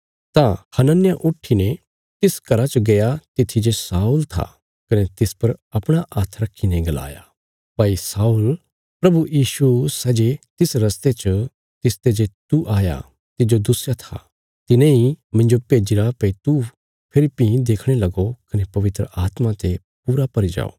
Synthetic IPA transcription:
t̪ãhɐnənɪjaʔʊʈʰinɛ̃ | t̪ɪskɐɾat͡ʃɡɐjat̪ɪt̪ʰːid͡ʒesaːult̪ʰa̰ | kɐneɛt̪ɪspɐɾɐpɽ̃aʔaːt̪ʰɾɐkʰːinɛ̃ɡɐla̰ːja̰ | paːisaːul | pɾɐbujiːʃusɛːd͡ʒet̪ɪsɾɐst̪et͡ʃə | t̪ɪst̪ed͡ʒet̪uʔaːja̰ | t̪ɪd͡ʒod̪ʊsjat̪ʰa̰ | t̪ɪnẽimɪ̃ɲd͡ʒopeːd͡ʒɪɾapɛit̪u | pʰɪlɪpːĩd̪eːkʰɽ̃elɐɡokɐnepɐʋɪt̪ɾə̰aːt̪mãt̪e | puːɾapɐɾid͡ʒa̰ːo̰ː

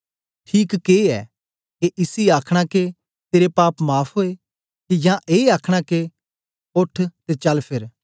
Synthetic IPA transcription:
ʈʰiːkkeɛ̰ː | keʔɪsiaːkʰɽ̃ãke | t̪eːɾepaːpmaːpʰɦoːe | kijãʔeːaːkʰɽ̃ãke | ʊʈʰt̪et͡ʃɐlpʰɪɾ

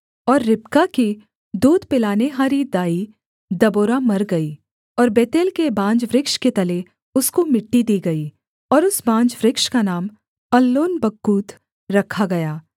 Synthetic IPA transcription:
ɔːɾːɪpkaki | d̪uːd̪pɪlaːneɦaːɾid̪aːi | d̪ɐboːɾamɐɾɡɐiː | ɔːɾbeːt̪eːlkebãːd͡ʒʋɾɪkʃket̪ɐle | ʊskomɪʈːid̪iːɡɐi | ɔːɾʊsbãːnd͡ʒʋɾɪkʃkanaːm | ɐlːoːnbɐkːuːt̪ | ɾɐkʰaɡɐjaː

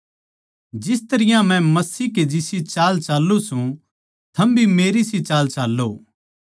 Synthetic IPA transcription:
d͡ʒɪst̪ɐɾɪjãmɛ̃mɐsiːked͡ʒɪsit͡ʃaːlt͡ʃaːlːosũ | t̪ʰɐmbʱimeːɾisit͡ʃaːlt͡ʃaːlːo

